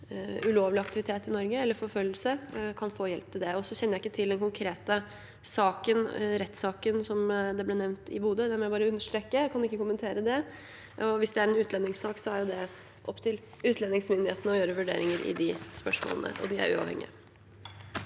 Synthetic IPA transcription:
ʉloːʋlɪɑkt̪ɪʋɪt̪ʰeːt̪ɪnɔɾɡəɛlːəɾfɔɾfœlːəl̩səkʰɑnfoːjɛlp̚t̪ʰɪld̪ɛɔsɔçɛnːəjæɪkːət̪ʰɪld̪ɛnkʊŋkʰɾeːt̪ə | sɑːkənɾɛt̪ːsɑːkənsɔmd̪ɛblɛːnɛʋnt̪ɪ̰buːd̪əd̪æɾmɛbɑːɾəʉnːəʂʈ̪ɾeːkːəkʰɑnɪkːəkʊmːənt̪ʰeːɾəd̪ɛ | ɔʋɪsd̪ɛæɾɛnʉːt̪lɛnːɪŋsɑːksɔæɾjʊd̪ɛ | ʔɔpːt̪ʰɪl | ʉːt̪ʰlɛnɪŋsmʏnd̪ɪheːt̪nəɔjøːɾəʋʉɖḛːɾɪŋəɾʔɪ̰d̪ɪspœʂmo̰ːlə̰nə̰ʔɔ̰d̪ɪæ̰ɾʉ̰ːɑ̰ʋɛ̰ŋːɪ̰ə̰

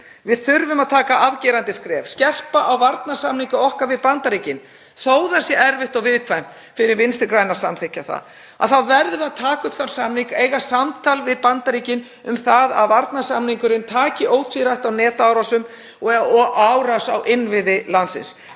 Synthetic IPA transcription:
vɪðθʏɾvʏmaðt̪ʰaːkaʔavcɛːɾant̪ɪskɾɛːv̥scɛr̥paʔawvaɾt̪nḁsamniŋkʏɔhkavɪðpant̪aɾiːcɪn | θoːwðasjɛʔɛɾvɪht̪ɔɣvɪðkʰvajm̥t̪ | fɪɾɪɾvɪnst̪ɪɾkɾaːjnaɾ̥sa̰mθehcːaθa̰ð | a̰ðθawvɛɾðʏaðt̪ʰaːkʏt̪θansamniŋkeːjɣasamt̪ʰalvɪðpant̪aɾiːcɪn | ʏmθaða̰ðvaɾt̪nasamniŋkʏɾɪnt̪ʰaːcɪʔoːwt̪ʰviɾajht̪awnɛːt̪aaːwɾasʏm | ɔɔɣawɾasa̰wʔɪnvɪðɪlansɪ̰ns

